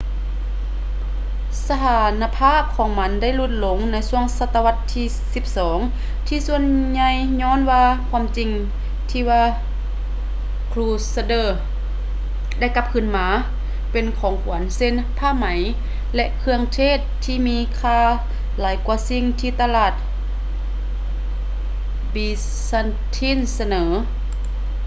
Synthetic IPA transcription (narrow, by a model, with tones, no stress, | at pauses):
sa˧t̪ʰaː˨˩na˧pʰaː˥˩p̚kʰɔː˨˩˦ŋma˧˥nda˥˨jlu˧t̪̚lo˨˧˦ŋna˧˥jsu˧˩əŋsa˧˥t̪ːa˧wa˧t̪ʰːiː˧˩ | si˧˦p̚sɔː˩˦ŋ | t̪ʰiː˧su˧ənɲa˧jɲɔː˧˥˨nwaː˧kʰwaː˧˥˨mt͡ɕi˧˩ŋ | t̪ʰiː˧waː˧ | kʰluː˧˩sa˧dɤː˧˩ | da˥˩˨jka˧˥p̚kʰɯ˧˩˨nmaː˧˦ | pe˨nkʰɔː˨˦ŋkʰu˨˩˦ənse˧n | pʰaː˧˥˨ma˩˦j | lɛ˧ʔkʰɯ˧əŋt̪ʰeː˧˥˨t̪ʰːiː˧˨miː˧˥kʰaː˧˨ | laː˨˦jku˧˦si˧˥ŋt̪ʰiː˧t̪a˧laː˧˩t̪̚ | biː˧ | sa˧n | t̪ʰiː˧˥˨nsa˧nɤː˩˦